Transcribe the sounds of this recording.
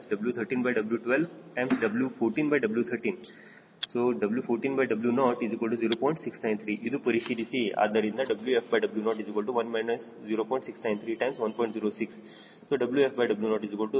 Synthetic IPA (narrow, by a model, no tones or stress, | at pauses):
msɖɐbljut̪ʰəɾʈĩːnbajɖɐbljuʈʋelʋ | ʈãɪmsɖɐbljufoːɾʈĩːnbajɖɐbljut̪ʰəɾʈĩːn | soːɖɐbljufoːɾʈĩːnbaɪjɖɐbljunɔːʈizikɔlʈuziːɾopɔ̃ːɪ̃ɳʈsɪksnãɪ̃nt̪ʰɾiʔid̪upɐɾiʃid̪isia̰ːd̪əɾĩnd̪aɖɐbljuefbaɪɖɐbljunɔːɾʈizikəlʈuʋɐnmanəs | ziːɾopɔ̃ɪ̃ɳʈsɪksnãɪ̃nt̪ʰɾiːʈãɪ̃msʋɐ̃npɔ̃ɪ̃ɳʈziːɾosɪks | soɖɐbljuefbajɖɐbljunɔːʈizikəlʈu